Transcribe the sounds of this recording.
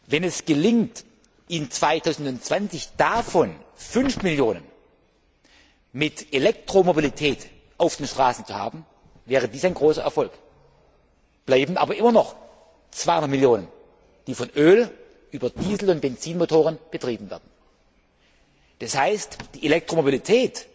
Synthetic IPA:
vɛnɛsɡ̥əlɪŋt | ʔɪnt͡sv̥aɪtʰaʊzn̩dʊntt͡sv̥ant͡sɪçd̥afɔnfʏnfmɪljoːnən | mɪtelɛk̚tʁ̥omobilitʰɛːt | ʔaʊfd̥eːnʃtʁ̥aːsn̩t͡suha̰ːbm̩ | vɛːʁ̞ədiːsaɪnɡʁoːsɐʔɛɐfɔlk | b̥laɪbn̩ʔa̰ːbɐʔɪmɐnɔχ | t͡sv̥aɪhʊndətmɪljoːnən | d̥iːfɔnʔøːl | ʔyːbɐdiːzl̩ʊnt̚b̥ɛnt͡siːnmotʰoːʁənb̥ətʁ̥iːbn̩vɛɐd̚n̩ | d̥ashaɪstd̥iːelɛk̚tʁ̥omobilitʰɛːt

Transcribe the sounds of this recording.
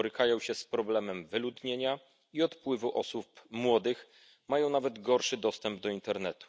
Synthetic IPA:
ɾɘkajɔ̃w̃ɕɛspɾɔblɛmɛmvɘlud̪ɲeɲa | iɔt̪pwɘvuʔɔsupmwɔd̪ɘx | majɔ̃w̃navɛd̪ɡɔɾʂɘd̪ɔst̪ɛmb̚d̪ɔint̪ɛɾnɛt̪u̥

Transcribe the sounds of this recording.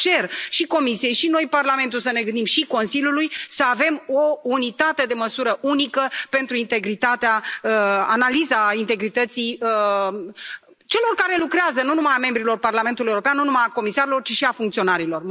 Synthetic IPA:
t͡ʃe̞rʃiko̞misije̞jʃino̞jparlame̞nt̪ulsəne̞ɡɨnd̪imʃiko̞nsilʲjulujsəave̞mo̞unit̪at̪e̞d̪e̞məsuɾəʔunikəpe̞nt̪ɾuint̪e̞ɡɾit̪at̪eaəa̰nalizaint̪e̞ɡɾit̪ət̪siə | t͡ʃe̞lo̞rkaɾe̞lukɾeazənunumajame̞mbɾilo̞rparlament̪uljeuɾo̞peanːunumajako̞misaɾelo̞rt͡ʃiʃiafuŋkt̪sio̞naɾilo̞r

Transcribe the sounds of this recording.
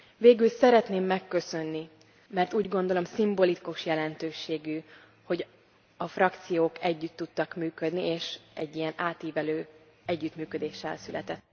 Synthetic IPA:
veːɡylsɛɾɛt̪neːmːɛkːø̞sø̞nːi | mɛrt̪uːɟɡo̞nd̪o̞lo̞msimbo̞likuʃjɛlɛnt̪øːʃeːɡy | ho̞ɟ | ɒfrɒkt̪sijoːkɛɟːyt̪ːut̪ːɒkmyːkød̪nieːʃɛɟːijɛnaːt̪iːvɛløː | ɛɟːyt̪myːkød̪eːʃːɛ̰lsylɛ̰t̪ɛt̪ː

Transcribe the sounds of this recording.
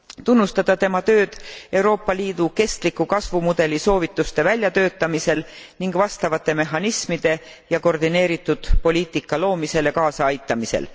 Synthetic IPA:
t̪unːust̪ɑd̪̥ɑt̪e̞mɑt̪ø̞ːd̪̥e̞wɾo̞ːpːˑɑliːd̪̥uke̞st̪likːukɑsvumud̪̥e̞liso̞ːvit̪ːˑust̪e̞vælʲjɑt̪ø̞ːt̪ːˑɑmise̞l | niŋɡ̥vɑst̪ɑvɑt̪ːˑe̞me̞ɦːɑnismid̪̥e̞ | jɑko̞rd̪ine̞ːɾit̪ːˑud̪̥po̞lʲiːt̪ikːˑɑlo̞ːmise̞lekɑːsɑɑjt̪ːˑɑmise̞̰l

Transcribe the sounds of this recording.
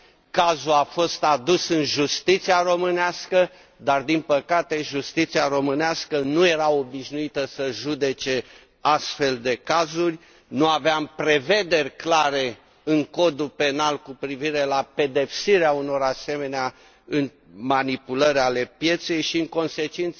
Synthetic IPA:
kazuafo̞st̪ad̪usɨnʒust̪it̪siaro̞mɨneaskə | d̪ard̪inpəkat̪e̞ʒust̪it̪siaro̞mɨneaskənuje̞ɾaobiʃnuit̪əsəʒud̪e̞t͡ʃe̞ | ast̪fe̞ld̪e̞kazurʲ | nuaveampɾe̞ve̞d̪e̞rʲklaɾe̞ | ɨŋko̞d̪upe̞nalkupɾiviɾe̞lape̞d̪e̞psiɾeauno̞ɾase̞me̞nea | ɨn | manipuləɾʲale̞pje̞t̪se̞jʃiɨŋko̞nse̞t͡ʃint̪s

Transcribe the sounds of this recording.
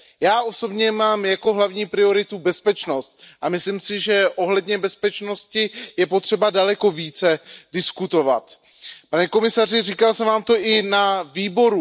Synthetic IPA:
jaːʔo̞so̞bɲɛmaːmjako̞ɦlavɲiːpɾɪo̞ɾɪt̪ubɛspɛt͡ʃno̞st̪̚ʔamɪslimsɪʒɛʔo̞ɦlɛdɲɛbɛspɛt͡ʃno̞scɪjɛpo̞t̪r̝̥ɛbadalɛko̞viːt͡sɛdɪskut̪o̞va̰t̪ | panɛko̞mɪsar̝ɪriːkalsɛmvaːmt̪o̞ʔɪnaviːbo̞ɾu

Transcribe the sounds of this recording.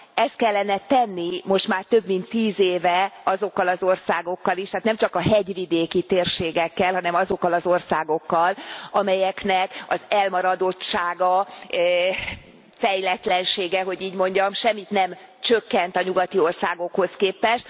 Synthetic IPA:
ɛst̪̚kɛlːɛnɛt̪ɛnːimo̞ʃt̪maːrt̪ø̞bmint̪ːiːzeːvɛɒzo̞kːɒlɒzo̞rsaːɡo̞kːɒliʃt̪aːt̪nɛmt͡ʃɒkɒɦɛɟvid̪eːkit̪eːrʃeːɡɛkːɛlɦɒnɛmɒzo̞kːɒlɒzo̞rsaːɡo̞kːɒlɒmɛjɛknɛkɒzɛlmɒɾɒd̪o̞tt͡ʃʃaːɡɒ | fɛjlɛt̪lɛnʃeːɡɛɦo̞ɟiːɟmo̞ɲɟɒmʃɛmːit̪nɛmt͡ʃøkːɛnt̪ɒɲuɡɒt̪io̞rsaːɡo̞kho̞skeːpɛʃt̪

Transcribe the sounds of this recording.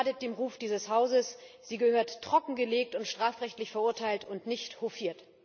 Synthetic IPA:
dət̚d̥eːmʁuːfd̥iːzəshaʊzəsz̥iːɡəhøːɐtːʁ̥ɔkŋ̩ɡəleːk̚tʊntʃtʁ̥aːfʁɛçtlɪçfɛɐʔʊɐtʰaɪltʊntnɪçthofiːɐt

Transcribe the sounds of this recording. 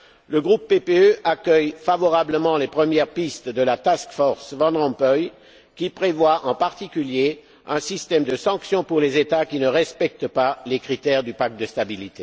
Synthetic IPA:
ləɡʁupːepeøʔakʲœjfavɔʁabləmɑ̃lepχəmjɛʁpist̪d̪əlat̪askfɔʁsvɑ̃d̪ʁɑ̃pœj | kʲipχevwaʔɑ̃paʁt̪ikʲylje | ɛ̃sist̪ɛmd̪əsɑ̃ksjɔ̃puʁlezet̪akʲinəʁɛspɛk̚t̪əpalekχit̪ɛʁd̪ypak̚t̪̚d̪əst̪abilit̪e

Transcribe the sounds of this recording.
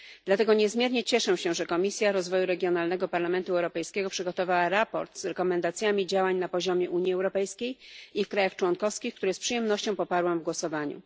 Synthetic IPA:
d̪̥lat̪ɛɡɔɲɛzmʲjɛɾɲɛt͡ɕɛʂɛɕɛ̃ʐɛkɔmʲisʲjaɾɔzvɔjuɾɛɡʲjɔn̪alnɛɡɔpaɾlamɛnt̪uɛwɾɔpɛjskʲɛɡɔpʂɘɡɔt̪ɔvawaɾapɔ̰ɾt̪z̥ɾɛkɔmɛnd̪at̪sʲjamʲid͡ʑawaɲnapɔʑɔmʲjɛʔuɲjiɛwɾɔpɛjskʲejifkɾajaxt͡ʂwɔnkɔfskʲixkt̪uɾɛspʂɨjɛmnɔɕt͡ɕɔ̃w̃pɔpaɾwamvɡwɔsɔvaɲṵ

